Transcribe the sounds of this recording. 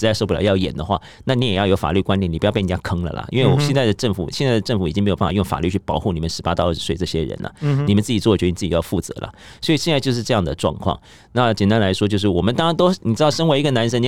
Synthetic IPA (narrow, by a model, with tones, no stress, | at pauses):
ɻ̩˧˥a˥˧ɪʂo˥˧p̬lj̰jɑ˥˩ʊjɛ˨˩nd̪ə˦xwa̰˥˩ | na˥˩ni˧˥jɛ˨˩jɑ˥˩ʊjo˧˥ʊfa̰˨˩ly˥˩kwa˥nt̪ɛ˨˩ni˨˩˧jpɪ˩˨˩t͡ɕa˥kʰɤ˥ŋlə̰˨lə̰˩ʔḭ˥nwe˥˩ɪwɔ˨˩ɕɛ˥˧nt͡sa˥˩ɪd̪ə˩ʈ͡ʂɤ˥˩ŋfṵ˨˩ɕjɛ˥˧nt͡sa˥˩ɪdə˩ʈ͡ʂɤ˥˩ŋfu˨˩i˨˩i˥ŋm˧˥o˨˩˥a˨˧jʊ˥˧˩fa̰˨˩ly˥˧t͡ɕʰy˥˩pɑ˨˩˦ʊxu˥˩ni˨˩mə˦nʂɻ̩˧˥pa˥t̪ɑ˥˧ʊə˞˥˩ʂ̩˧swe˥˧ɪʈ͡ʂɤ˥˩ɕjɛ̰˥ɻə̰˧˥˦nlə̰˨ni˨˩mə˦nt͡sɹ̩˥˩t͡ɕi˨˩t͡swɔ˥˩˨ni˨˩t͡s̩˥˩t͡ɕjɑ˥˧fu˥˩t͡sɤ̰˧˥lə̰˨swɔ˧˥i˨˩ɕjɛ˥˧nt͡sa˥˧t͡ɕjo˥˧ʂɻ̩˥˧ʈ͡ʂɤ˥˧jɑ˥˩ŋd̪ə˩ʈ͡ʂwɑ̰˥˧ŋkʰwɑ̰˥˩ŋ | na˥˩t͡ɕjɛ˨˩nt̪a˥nla˧˥ɪʂwɔ˥t͡ɕjo˥˧ʊʂɻ̩˥˩wɔ˨˩mə˦nt̪ɑ˥ŋɻa˧˥nt̪o˥ʊni˨˩ʈ͡ʂɻ̩˥t̪ɑ˥˩ʊʂə˥nwe˧˥i˧˥ɡə˧na˧˥nʂə˥ni˧